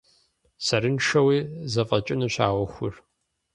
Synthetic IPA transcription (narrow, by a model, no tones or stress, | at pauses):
sɐɾɨnʂɐwiːzɐfʼɐt͡ʃʼɪnuɕa̰ːwɔxʷʊr